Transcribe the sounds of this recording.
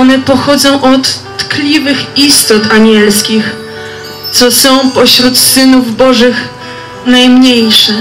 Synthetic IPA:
ɔnɛpɔxɔd̪zɔ̃w̃ʔɔt̪ː | klʲivɘxist̪ɔt̪aɲɛlskʲix | t̪sɔsɔ̃w̃pɔɕɾut̪sɘnuvbɔʐɘx | najmɲejʂɛ

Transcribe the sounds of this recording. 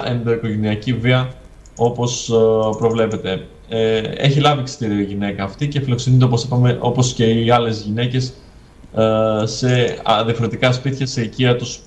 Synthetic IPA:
ʔend̪o̞iko̞ʝe̞niɐciviɐ | o̞po̞spɾo̞vle̞pe̞t̪e̞ | e̞̰çilɐviksi̥t̪iɾiɐiʝine̞kɐːft̪ice̞filo̞ksenint̪eop̬osipɐmeʔo̞po̞sce̞iɐle̞zʝine̞ce̞s | se̞̰ðiɐfoɾe̞t̪ikɐspiθçɐse̞iciɐt̪us

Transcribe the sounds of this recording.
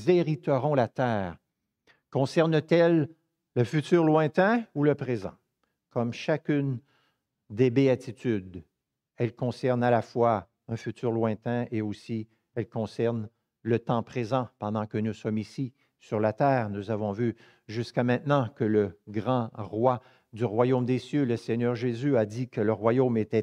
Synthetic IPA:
zeʁit̪əʁɔ̃lat̪ɛːʁ | kɔ̃sɛʁnət̪ɛlː | əfyt̪yːʁlwɛ̃t̪ɛ̃uləpχezɑ̰̃ | kʰɔmʃakʲyn | d̪ebeat̪it̪yd̪ | ɛlkɔ̃sɛʁnalafwa | ɛ̃fyt̪yːʁlwɛ̃t̪ɛ̃ʔeosi | ɛlkɔ̃sɛʁn | lət̪ɑ̃pχezɑ̃pɑ̃d̪ɑ̃kənusɔmisi | syʁlat̪ɛːʁnuzavɔ̃vy | ʒyskʲamɛ̃t̪nɑ̃kələɡʁɑ̃ʁwa | d̪yʁwajomd̪esjøləsɛɲœʁʒezyad̪ikələʁwajomet̪ɛ

